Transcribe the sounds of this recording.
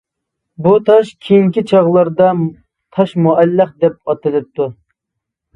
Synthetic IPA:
but̪ʰɑʃkʲʰijiŋkʲit͡ʃʰɑʁlˠɑɾd̪ɑ | t̪ʰɑʃmuʔælːəχd̪ɛp̚ɑt̪ɨlɪp̚t̪ʰu

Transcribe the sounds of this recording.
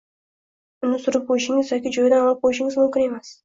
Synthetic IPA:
ʊnɪsʊɾəp̚qʰojɪʃɪŋɪzjɒkʲid͡ʒojd̪aɑlˠɑp̚qʰojɪʃɪŋɪzmʊmkʲɪnemes

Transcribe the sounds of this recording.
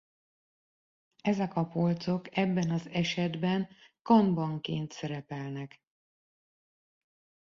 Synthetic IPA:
ɛzɛkɒpo̞lt̪so̞kɛbːɛnɒzɛʃɛd̪bɛnkɒnbɒŋkḛːnt̪sɛɾɛpɛlnɛk

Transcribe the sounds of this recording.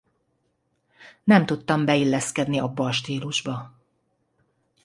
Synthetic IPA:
nɛmt̪ut̪ːɒmbɛilːɛskɛd̪niɒbːɒːʃt̪iːluʒbɒ

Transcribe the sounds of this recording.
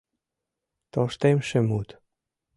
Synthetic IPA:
t̪oʃt̪emʃɘ̆mut̪

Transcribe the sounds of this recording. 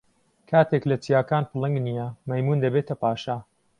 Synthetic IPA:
kʰaːt̪ʰeklɐt͡ʃijaːkaːnpɨlˠɐŋɡnijɐmɐjmuːnd̪ɐbeːt̪ʰɐpaːʃa

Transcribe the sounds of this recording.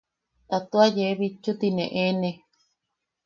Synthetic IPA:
t̪at̪uajeβit͡ʃːut̪inḛ̃ʔenẽ

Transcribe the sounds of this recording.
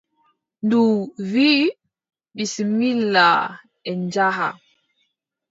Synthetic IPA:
nduvi | ɓisimilːa | ɛnd͡ʒaɦa̰

